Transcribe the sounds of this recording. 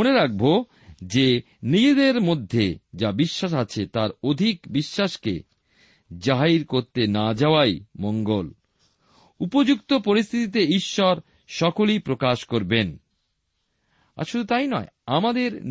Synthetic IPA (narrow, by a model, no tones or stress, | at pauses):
oneɾak̚bo | d͡ʑe | nid͡ʑed̪eɾmod̪ʱːed͡ʑabiʃːaʃ̬at͡ɕʰet̪aɾod̪ʱikbiʃːaʃkḛ | d͡ʑaɦajɾkoɾt̪enad͡ʑaoajmoŋɡol | upod͡ʑukt̪opoɾist̪ʰit̪it̪eiʃːɔɾ | ʃɔkolipɾokaʃkoɾben | a̰ɾʃud̪ʱut̪ajnɔeamad̪eɾ